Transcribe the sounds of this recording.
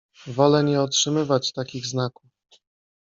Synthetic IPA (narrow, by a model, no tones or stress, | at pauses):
vɔlɛɲɛɔtʂɘmɘvat͡ɕt̪akʲiɣznakuf